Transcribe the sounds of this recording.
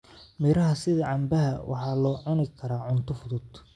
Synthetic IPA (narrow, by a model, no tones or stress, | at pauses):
mɪɾɐɦɐsɪðɐʕɑmbɐɦɐwʔɑ̰ħɑːlɔːʕʊnɪkʰɐɾaːʕʊnt̪ʰʊfʊðʊd̪̥